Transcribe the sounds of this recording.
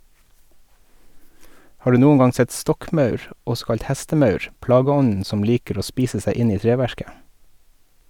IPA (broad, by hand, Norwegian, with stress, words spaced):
ˈhɑː ˈɖʉː ˈnuːən ˈɡɑŋ ˈsɛt ˈstɔkˌmɑʉɹ ˈɔsɔ ˈkɑʎc ˈhæstəˌmɑʉɹ ˈplɑːɡəˌɔnn̩ ˈsɔm ˈliːkəɾ ˈoː ˈspiːsə ˈsæɪ ˈɪn ˈiː ˈtɹeːˌʋæɹkə